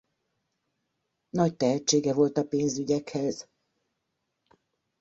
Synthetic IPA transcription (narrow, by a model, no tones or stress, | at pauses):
nɒct̪ɛɦɛt͡ʃːeːɡɛvo̞lt̪ɒpeːnzyɟɛkhɛz̥